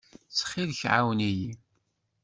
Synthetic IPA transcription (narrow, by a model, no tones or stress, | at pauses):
sχɪlçʕa̰wniji